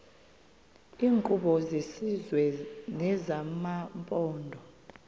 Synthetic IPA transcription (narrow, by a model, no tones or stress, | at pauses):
iːŋkʼuɓɔzisizwɛnɛzamampʼɔːndʱɔ